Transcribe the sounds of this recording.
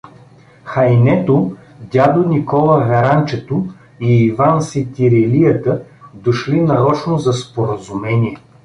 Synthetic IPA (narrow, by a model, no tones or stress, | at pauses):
xɐjnɛt̪o | d̪ʲad̪onikɔlˠəvɛɾant͡ʃɛt̪o | iːvansit̪ʲiɾɛlijət̪əd̪oʃlinɐɾɔt͡ʃnozɐspoɾəzumɛnʲiɛ